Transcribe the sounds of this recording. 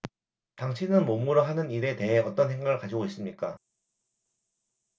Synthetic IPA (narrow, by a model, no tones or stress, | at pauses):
taŋɕʰinɯnmomuɾoɦanɯniɾe̞te̞ɦe̞ʌt͈ʌnɦe̞ŋɡaɯɭkad͡ʑiɡois͈ɯmɲik͈a